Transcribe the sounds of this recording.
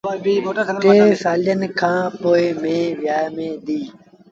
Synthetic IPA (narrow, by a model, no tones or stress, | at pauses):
t̪eːsaːlɪjənkʰãːpoːeːmẽːʋɪjaːmẽːd̪iː